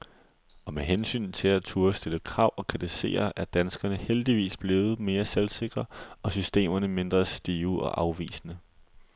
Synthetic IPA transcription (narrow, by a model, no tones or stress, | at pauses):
ɒ̽meɦensy̰ːnt͡sʰe̝læt͡sʰuɐsd̥e̝ləkʰʁɑ̈ʊ̰ɒ̽kʰʁit͡sʰise̝̰ːɐʔæɐd̥ænsɡ̥ɐnəheld̥iʋḭːsb̥le̝ːʊð̞̩ˠme̝ːɐselse̝ɡ̥ʁɐɒ̽sysd̥e̝̰ːmɐnəme̝nd̥ʁɐsd̥iːʊɒ̽ʔɑ̈ʊʋḭːsənə